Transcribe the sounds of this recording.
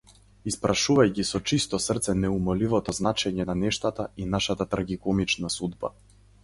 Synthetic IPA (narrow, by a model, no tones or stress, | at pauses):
ispɾaʃuvajcisɔt͡ʃist̪ɔsrt̪sɛnɛumɔlivɔt̪ɔznat͡ʃɛɲɛnanɛʃt̪at̪ainaʃat̪at̪ɾaɡikɔmit͡ʃnasud̪ba̰